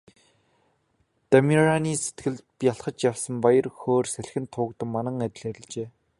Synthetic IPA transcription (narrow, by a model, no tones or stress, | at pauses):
t̪amʲiraniːse̥t̪ɡɘ̆ɮpjaɬχə̆t͡ɕjawsə̆mpajə̆rxoːrsæɮxɘ̆nt̪ʰːʊːkt̪ə̆mmanə̆ŋæt̪ʲɪ̆ɮæɾɪ̆ɮt͡ɕeː